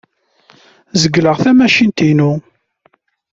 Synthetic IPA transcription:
zəɡːləʁθæmæʃint̪inu

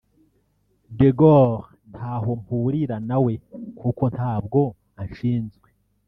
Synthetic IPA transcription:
deɡoʁ | n̥tʰaːɦo̞muɾiɾanawe̞kuːko̞ntʰhaːbɡo̞ | aʃiːnzɡwe

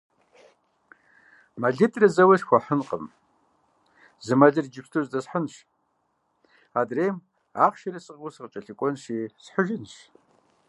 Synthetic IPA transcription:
mɐɮɨtʼrɐzɐwɐɕxʷɐħənqʼə̰m | zɨmɐɮɨrd͡ʒɪpstʰozdɐsħənɕ | adreːm | a̰ːqʃɐrɐsʼɨqʊsɨqət͡ʃʼɐɬɨkʷʼɔnʃiːsħəʒɪnʃ

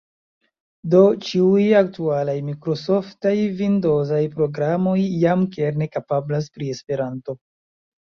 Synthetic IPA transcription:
do̞t͡ʃiujak̚tualajmikɾo̞so̞ftajvindo̞zajpɾo̞ɡɾamo̞jːamkeɾne̞kapablas̬pɾie̞spe̞ɾanto̞

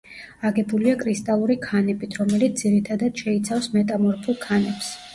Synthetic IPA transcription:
aɡɛbuliakʼɾist̪ʼalˠuɾikʰanɛbit̪ʰɾɔmɛlit̪sd̪ziɾit̪ʰad̪ad̪̥ʃɛit̪sʰafsmɛt̪ʼamɔɾpʰulˠkʰanɛps

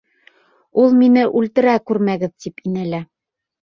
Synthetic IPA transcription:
ulˠminɘʔʉlt̪ɘ̆ɾækʉɾmæɡɘðt̪ipinælæ

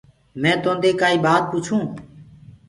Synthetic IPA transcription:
mɛ̃ːt̪õːnd̪eːkaːiːbaːt̪̚puːt͡ʃʰũː

